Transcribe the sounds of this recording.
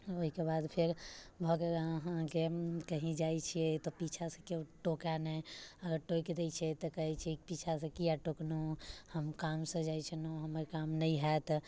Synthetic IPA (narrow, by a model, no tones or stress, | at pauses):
oɦikebad̪pʰeɾbʱəɡeəɦãɦɦãkekəɦĩd͡ʒajt͡ʃʰijet̪ɔpit͡ʃʰasə̃keʈokanɛəɡəɾʈojkd̪et͡ʃʰɛt̪ɔkəɦɛt͡ʃʰɛpit͡ʃʰasə̃kijaʈoknuhəmkamsə̃d͡ʒajt͡ʃʰənuɦəməɾkamnəiɦaet̪